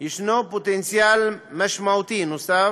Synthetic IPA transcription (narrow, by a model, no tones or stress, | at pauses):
iʃnoput̪ensjalmaʃmawt̪inust̪a